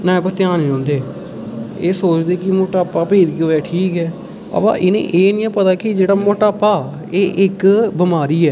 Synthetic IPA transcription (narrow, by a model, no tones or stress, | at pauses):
nãːẽpət̪ɪjaːnĩːõːnd̪eː | eːsoːt͡ʃd̪eːkɪmoːʈaːpːaːpeːɾkːoːɛːʈʰiːkɛː | ə̰pã̰ːʔɪnḛ̃ːʔeːnĩːɛ̃ːpət̪aːkɪd͡ʒeːɽaːmoːʈaːpːaː | eːʔɪkbɪmaːɾiːɛː